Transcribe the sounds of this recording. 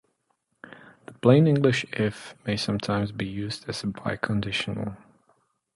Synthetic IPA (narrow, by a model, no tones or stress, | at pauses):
ðəpʰl̥ẽɪ̃nɪ̃ŋɡlɨʃɪfmeɪsʌ̃mtʰãɪ̃mzbijʉzdɨz̥əbaɪkʰə̃ndɪʃn̩̰l̩ˠ